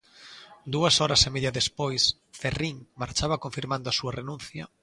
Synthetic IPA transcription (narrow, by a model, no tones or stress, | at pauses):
d̪uɐsɔɾɐsemeðjɐðespojs | feriŋmaɾt͡ʃaβɐkoɱfiɾmãnd̪oasuɐrenũnθjɐ